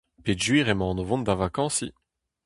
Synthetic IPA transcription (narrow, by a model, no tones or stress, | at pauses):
ped̪ʒɥiʁemɑ̃ːnovɔ̃nd̪avakɑ̃si